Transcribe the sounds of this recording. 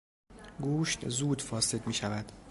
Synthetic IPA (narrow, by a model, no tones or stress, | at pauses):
ɡuːʃt̪zuːd̪fɒːse̞d̪miːʃævæd̪̥